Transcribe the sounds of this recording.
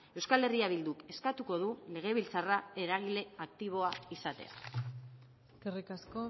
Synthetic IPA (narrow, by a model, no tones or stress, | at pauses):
e̞wskale̞riaβild̪uke̞skat̪uko̞ðule̞ɣ̞e̞β̞ilt͡sarae̞ɾaɣile̞akt̪iβ̞o̞aisat̪e̞̰a̰ | kerikasko